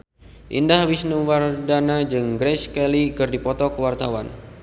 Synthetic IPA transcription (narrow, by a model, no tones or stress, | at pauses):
ʔḭndahwisnuwardanad͡ʒɨŋɡɾɛskɛlikɨrdipɔt̪ɔkəwart̪awa̰n